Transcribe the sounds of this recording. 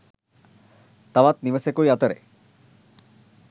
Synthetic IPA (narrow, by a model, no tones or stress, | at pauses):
t̪aʋat̪niʋesekojat̪əɾḛ